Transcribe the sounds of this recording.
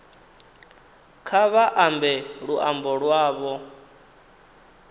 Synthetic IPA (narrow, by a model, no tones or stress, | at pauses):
kʰaβaʔambɛɺuʔambɔɺwaːβɔ